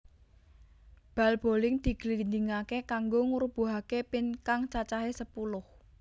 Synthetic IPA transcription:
b̥a̤lb̥o̤lɪŋd̪̥i̤ɡ̥lind̪iŋakekaŋɡoŋuɾub̥ṳɦakepɪnkaŋt͡ʃat͡ʃaɦesəpulʊh

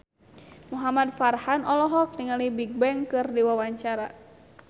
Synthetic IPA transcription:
muɦamadfarhanɔlɔɦɔk̚niŋalibik̚bɛŋkɨrdiwawaɲt͡ʃaɾa

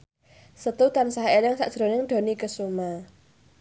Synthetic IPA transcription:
sət̪ut̪ansaɦelɪŋsaʔʒ̥ɾo̤nɪŋɖ̪̥o̤nikəsuma

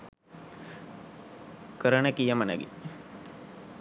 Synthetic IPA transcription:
kəɾənəkijəmənə̰ɡḭ

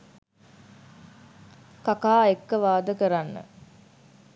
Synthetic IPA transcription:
kakaːekːəʋaːd̪əkəɾanːə̰

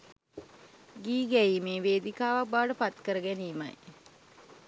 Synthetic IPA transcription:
ɡiːɡæjiːmeːʋeːd̪ikaːʋak̚baːɖəpat̪kəɾəɡæniːma̰j

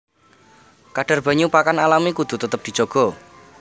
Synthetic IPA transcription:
kaɖ̥a̤rb̥a̤ɲupakanalamikud̪̥ṳt̪ət̪əp̚d̪̥i̤̥d͡ʒ̥o̤ɡ̥ɔ̤

